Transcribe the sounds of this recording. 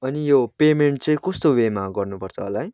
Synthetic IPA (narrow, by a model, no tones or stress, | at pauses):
ʌnijopemeɳʈ̚t͡sʌ̃ĩkʌst̪owemaɡʌrnupʌrt͡sʰʌːlaj